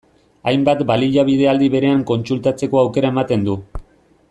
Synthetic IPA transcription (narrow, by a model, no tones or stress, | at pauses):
ajmbat̪baliʎaβ̞ið̞e̞ald̪iβe̞ɾe̞aŋko̞nt͡sult̪at͡se̞ko̞awke̞ɾae̞mat̪e̞nd̪u